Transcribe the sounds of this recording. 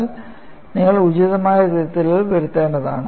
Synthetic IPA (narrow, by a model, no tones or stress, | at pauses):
l | niŋːɐɭud͡ʑuðɐmaːjɐt̪iðɐt̪ːilɐɭʋɐɾut̪ːeːɳɖɐða̰ːɳɨ